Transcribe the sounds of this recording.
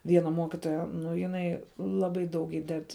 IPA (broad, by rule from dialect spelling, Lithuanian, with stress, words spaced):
ˈʋʲiɛnɐ ˈmuɔkʲɪtoːjɛ ˈnʊ jɪˈnɐɪ ˈlˠɑːˌbɐɪ dɐʊk ˈiːdʲɛt